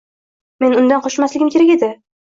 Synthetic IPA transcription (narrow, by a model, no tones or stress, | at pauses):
me̞nʊnd̪anqʰɒʃmaslɪɡʲɪmkʲe̞ɾakʲe̞d̪ɪ